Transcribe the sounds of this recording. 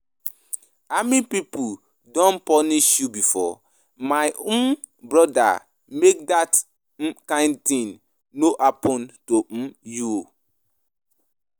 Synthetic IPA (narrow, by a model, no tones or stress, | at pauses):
amĩpipu | dɔ̃npɔniʃjubifɔ | maɪʔũm | bɹɔda̰ | mek̚dat̩ | kãɪ̃ndtĩnː | oʔapɔ̃ntom̩juo